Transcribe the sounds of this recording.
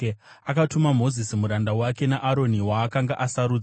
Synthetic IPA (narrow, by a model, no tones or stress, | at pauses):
akatumamo̞zisimuɾandawake̞naʔaɾo̞niwaːkaŋɡaʔasaɾuːd͡z